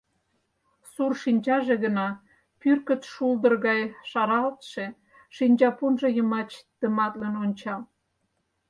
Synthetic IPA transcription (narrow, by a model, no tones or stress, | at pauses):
surʃinʲt͡ɕɑʒeɣənɑ | pyrkə̆t̪ʃuld̪ərɣɑjʃɑɾɑlt̪ʃe | ʃinʲt͡ɕɑpunʒejəmɑt͡ɕt̪əmɑt̪lenonʲt͡ɕɑl